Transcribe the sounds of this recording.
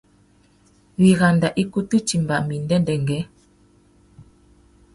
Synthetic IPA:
βi˨ɣa˨nda˨ʔi˦ku˦tɨ˦t͡ʃi˨m˨ba˨ʔmi˨n˦dɛ˦ndɛ˨ŋɡɛ˨˦

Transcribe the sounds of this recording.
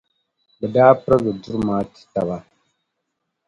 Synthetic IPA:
bɨ˨daː˦pɨ˦ɾɨ˦ɡɨ˨du˦ɾɨ˦maː˦ti̥˨ta˨βa˦

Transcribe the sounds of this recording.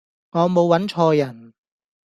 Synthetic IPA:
ŋɔː˨˧mo˨˧wːɐ˨˥nt͡ʃʰɔː˧jɐ˨˩n

